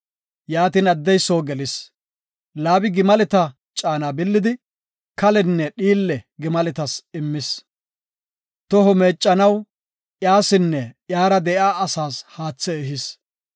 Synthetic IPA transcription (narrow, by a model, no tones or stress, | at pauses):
jaːt̪iːnɐd̪ːɛjsoːɡɛlɪs | laːbɪɡɪmɐlɪt̪ɐ | t͡ʃʼaːnaːbɪlːɪd̪ɪ | kɐlɛnːɛɗiːlːɛɡɪmɐlɛt̪ɐsɪmːɪs | t̪ɔɦɔme̞ːt͡ʃʼːɐnɐw | ʔjaːsɪnːɛʔjaːɾɐd̪ɛʔjaːɐsaːshaːt͡sːɛːɦɪs